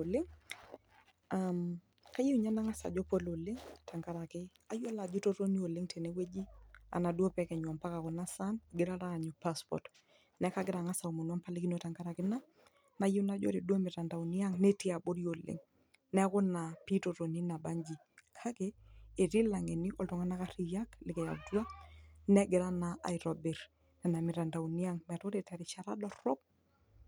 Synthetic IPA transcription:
o˨lɪ˦ŋ | am | ka˦ji˦u˨ɲa˦na˦ŋa˦sa̰˨d͡ʒɔ˦po˦lo˨lɪ˦ŋta˨ŋka˦ɾa˨kɪ˦ | a˦jo˦la˨d͡ʒʊ˦to˦ɾo˦ni˦o˨lɪ˦ŋtʰe˨ne˦we˦d͡ʒi˦a̰˨na˨dwo˦pɛ˦kɛ˨ɲwɔ˨mpa˦ka˨kʊ˨na˦sa˦nɡɪ˦ɾa˦ɾaː˦˨ɲɔ˨pa˦spɔ̰˨t | nɛ˦ka˦ɡɪ˦ɾa˨ŋa˦sa˨u˨mo˨nwɔ˦mpa˦le˦ki˦no˨ta˨ŋka˦ɾa˨kɪ˦na˦ | na˨ji˦na˨d͡ʒo̰˦ɾe˨du˦o˦mɪ˨ɾa˨nda˨u˨ni˦a˦ŋne˦ti˦a˨bo˦ɾjo˨lɪ̰˨ŋ | nɛ˦kʊ˦na˨pi˦to˨ɾo˨ni˦na˨ba˦ɲd͡ʒi˨ | kʰa˦ke˨e˨ɾi˦la˨ŋe˨ni˦ʔɔ˨ltɔ˨ŋa˦na˦ka˦ɾi˦ja˦klɪ˨kɛ˨ja̰˨kdwa˦nɛ˦ɡɪ˨ɾa˦na˨ʔa̰˨jɾɔ˨bɪ˨ɾ | nɛ˨na˨mɪ˨ɾa˨nda˨u˨ni˦a˦ŋmɛ˨to˦ɾe˨tɛ˨ɾɪ˨t͡ʃa˨ɾa˦dɔ˦ɾo˦p̚

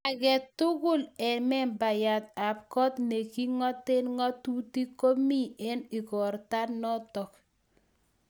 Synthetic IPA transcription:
a˨kɛ˨tʊ˦kʊ˦lɛ˨mɛ˦mba˨ja˨t̚a˨p̚kɔ˦tnɛ˨ki˦ŋɔ˦te˦nŋɔ˦tu˦ti˦ko˦mi˦ɛ˦ni˨kɔ˨ɾta˦tnɔ˦tɔ˨k

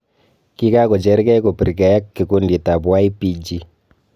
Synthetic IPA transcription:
ki˦ka˦ko˨d͡ʒɛ˦ɾkɛ˦ko˨pi˨ɾkɛ˨ja˦kːi˨ko˦ndi˨ta˨bwa˦i˦pi˦d͡ʒi˦

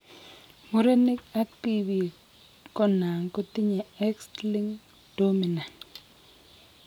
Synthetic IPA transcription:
mo˦ɾe˦ni˦ka˦k̚ti˦vi˨ | kɔ˦na˨ŋko˦ti˦ɲɛ˨ɛ˦ksli˦ŋ | d̥o˦mi˨na˨n

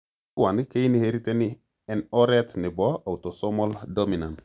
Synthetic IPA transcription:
wa˨ni˦ke˦jni˦he˦ɾi˦te˦ni˦ | e˨no˦ɾe˦tni˨bo˦a˨wto˨so˦mo˦ldo˦mi˨na˨n

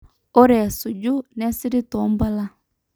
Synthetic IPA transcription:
ɔ˦ɾɛ˨su˨d͡ʒu˦nɛ˦si˦ɾi˦tɔ˨˦mba˦la˦

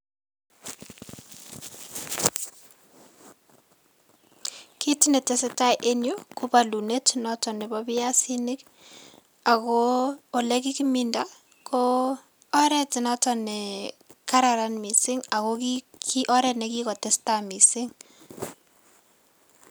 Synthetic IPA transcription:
kʰi˦tine˨te˨seta˦ʔe˦njo˦ku˦ba˨lu˨ne˦tnɔtɔ˨nɛ˨bɔbɪ˦ja˦sinɪ˦k | a˨kɔː˨lɛki˦kiminda˦ | kʰɔ | ɔ˦ɾɛ˦tɪnɔtɔnɛka˦ɾa˨ɾa˦nmi˨sɪ˦ŋa˨kɔkikiʔɔ˦ɾɛ˨tnɛkikɔ˨tɛ˦stami˨sɪŋ

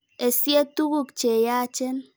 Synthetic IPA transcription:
e˨sje˦tu˦ɣu˦kt͡ʃe˨ja˦t͡ʃe˦n

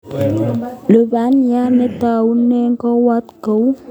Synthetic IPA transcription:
lə˨ba˨˦nja˦ne˨˦t̪a˨u˦ne˦ŋ˦kɔ˦wa˦t̪kə˨˦w

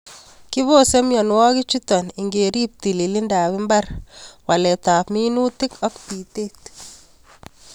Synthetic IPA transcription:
kɪ˦βo˦sɛ˦mjɔ˨nwɔ˦ɡɪ˦t͡ʃu˦t̪ɔ˨ni˨ŋɡe˨ɾi˦p̚t̪i˨li˨lɪ˦nda˨wɪ˦mba˦rwa˨lɛ˨t̪a˨pmi˦nu˦t̪ɪ˦kɔ˦kti˨t̪e˦t̪

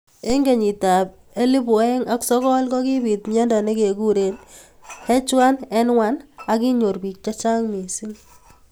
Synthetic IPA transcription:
e˦ŋɡe˨ɲi˨ta˨p̚ | e˦li˦bɔ˨˦e˦ŋa˦ksɔ˦kɔ˦lkɔ˦ki˦bi˨t̚mɛ˦ndɔ˨ne˦ke˨ku˦ɾe˦n | hɛ˦t͡ʃwa˦nɛ˦nŋwa˦na˦ki˦ɲo˨rbi˨k̚t͡ʃa˦t͡ʃa˦ŋmi˨si˦ŋ

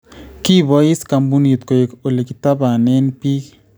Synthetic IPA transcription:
ki˦βɔ˨˦i˦ska˨mbu˦ni˨t̪ko˨je˨ko˨le˨ki˨˦ta˦ba˨nɛ˦npi˦k

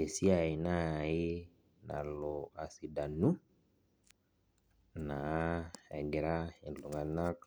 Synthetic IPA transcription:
e˨si˦a˨i˨na˦˨i˦ | na̰˨lɔ˨a˨si˨da˨nu˦ | na˨˦ɛ˨ɡɛ˨ɾa˦i˨lu˨ŋa˨na˦k

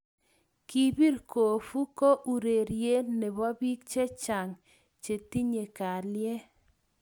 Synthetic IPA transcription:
ki˦bi˦ɾko˨fu˦ko˦ʔu˨ɾe˨ɾje˦ne˨bɔ˦bi˦k̚t͡ʃe˦t͡ʃa˨ŋ | t͡ʃe˨t̪i˦ɲe˨ka˨ljɛ˦

